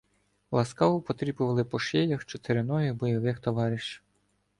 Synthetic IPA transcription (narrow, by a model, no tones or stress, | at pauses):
lˠɐskɑʋʊpɔt̪ɾʲibʊʋɐlˠɪpɔʃɛjɐxt͡ʃɔt̪eɾɪnɔjibɔjɔʋɪxt̪ɔʋɑɾʲiʃ